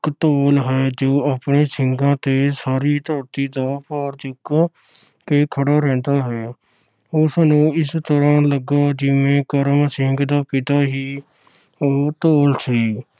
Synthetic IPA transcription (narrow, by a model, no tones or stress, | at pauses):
kt̪oːlɦɛːd͡ʒoːaːpneːsɪŋɡãːt̪eːsaːɾiːt̪ɔːɾt̪iːd̪aːpɔːɾd͡ʒʊk | keːkʰəɽaːɾɛ̃ːnd̪aːɦɛː | ʊsnũːɪst̪əɾãːləɡaːd͡ʒɪʋẽːkəɾəmsɪŋɡd̪aːkiːt̪aːɦiː | oːt̪oːlsiː